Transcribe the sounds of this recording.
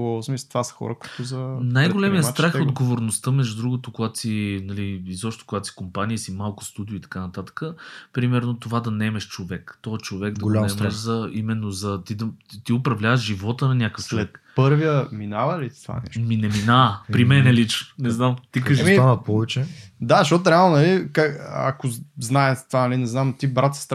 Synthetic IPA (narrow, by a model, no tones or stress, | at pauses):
ɔsmist̪vasə̥xɔ̰ɾəkʊit̪ʊzɐnajɡolɛmijət̪ɾaxod̪ɡovoɾnost̪əmɛʒd̪ud̪ɾuɡʊt̪okoɡat̪sinɐliizɔpʃt̪t̪okoɡat̪o̥si̥kompaniisimalˠkʊ̥st̪ud̪iʊit̪ɐ̥kanɐt̪at̪ə̥kəpɾimɛɾnot̪ovad̪ɐnɛmɛʃt͡ʃovɛkt̪ɔɛt͡ʃovɛɡ̚d̪ɐɡlnɛmɛʃzɐimɛnːozɐt̪id̪ɐt̪iʊpɾɐvlʲavəʃʒivɔt̪ənɐnʲjakəfst͡ʃolvɛt̪kpɤɾviəminavəlit̪t̪va̰nɛ̰ʃminɛminaəpɾimɛnɛlit͡ʃnonɛznamt̪ikkɐʒɛavpɔvɛt͡ʃɛd̪aʃɔt̪ʊɾɛalˠnonɐlikaɐ̰koznaɛt̪t̪vanɐlinɛznamt̪ibɾat̪sə̥st̪ɾ